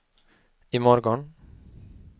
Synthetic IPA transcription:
imɔɾɡɔn

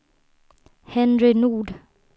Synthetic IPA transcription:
hɛnɾɪnuːɖ

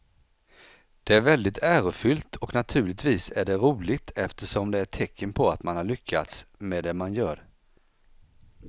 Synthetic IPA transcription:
d̪̥ɛæɾvɛld̪ɪt̪ʰæːɾʊfʏlt̪ʰɔknat̪ʰʉ̟ːɭɪt̪viːsæɖɛɾuːlɪɡt̪ʰɛft̪əʂɔmd̪ɛæʈʰɛkʰːənpʰɔat̪manhaɭʏkʰːat̪smeːd̪ɛmanjœːɾ

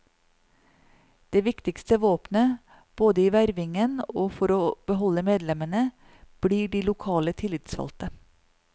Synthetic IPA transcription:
d̪̥eːʋɪkt̪ɪkst̪əʋoːpnə | b̥oːd̪əiːʋæɾʋɪŋənoːfɔɾoːb̥əɦɔləmeːd̪lɛmənə | b̥liːɖiːlʊkʰɑːlət̪ʰɪlɪt̪sfɑ̰lt̪ə

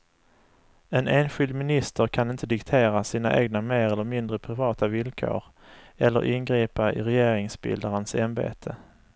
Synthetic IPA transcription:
ɛneːnɧɪld̪mɪnɪst̪ʰəɾkʰanɪnt̪əd̪ɪkt̪ʰeːɾasiːnaʔeːɡnameːɾɛlːəɾmɪnd̪ɾəpʰɾɪvɑːt̪avɪlkʰo̰ːɾ | ɛlːə̰ɾʔɪnɡɾiːpaʔɪ̰ɾɛjeːɾɪŋsbɪ̰ld̪aɾənsɛmbḛːt̪ʰə

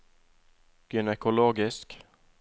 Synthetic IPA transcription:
ɡ̥ʏnɛkʊloːɡɪsk

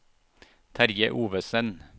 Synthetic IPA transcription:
t̪ʰæɾjəʔuːʋəsən

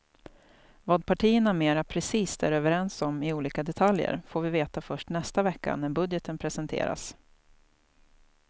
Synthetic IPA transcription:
vɑːd̪pʰaʈʰiːəɳameːɾapʰɾɛsiːst̪æ̰ɾøːvəɾɛnsɔmɪuːliːkad̪ɛt̪ʰaljə̰ɾfoːɾvɪveːt̪afœʂʈnɛst̪avɛkːa̰næɾbɵd̪jət̪ənpʰɾɛsɛnt̪ʰḛːɾa̰s

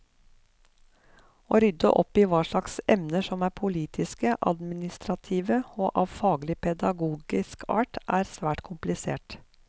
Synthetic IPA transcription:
oːɾʏd̪ə̰ʔɔpiːʋɑːʂlɑksɛmnəʃɔmæːɾpʰʊliːt̪ʰɪskəʔɑ̰d̪mɪnɪst̪ɾɑt̪ʰiːʋəoːʔɑːʋfɑːɡlɪpʰɛd̪ɑɡuːɡɪskʰɑ̰ːʈʔæːɾsʋæːʈkʰʊmplɪsḛːʈ

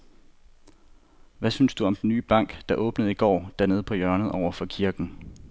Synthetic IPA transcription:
ʋæsynsd̥uɒ̽md̥enːy̰ːb̥ɑ̈ŋ̰ɡ̥d̥ɑ̈ʔɔ̽ːb̥nəð̞̩ˠiɡ̥ɒ̰ːd̥æneð̞̩ˠpʰɒ̽jɶɐnð̩ˠɒʊ̰ɐfɒ̽kʰiɐɡ̥n̩

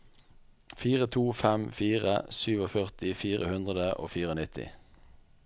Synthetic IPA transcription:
fiːʁət̪ʰuːfɛmfiːʁə̰syːʋoːfœʁt̪ɪfiːʁəhʉnd̪ʁəd̪əʔo̰ːfiːʁoːnɪt̪ʰɪ̰

